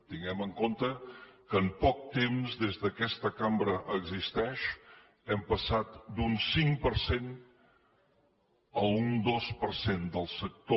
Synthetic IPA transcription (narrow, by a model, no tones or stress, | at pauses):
t̪iŋɡɛməŋkont̪əkəːmpɔk̚t̪emzd̪ezðəkɛst̪əkambɾəʔəɡzist̪ɛʃ | ɛmpəsat̪d̪unsiŋpəɾsen | əlˠund̪ospəɾsend̪əlˠsək̚t̪o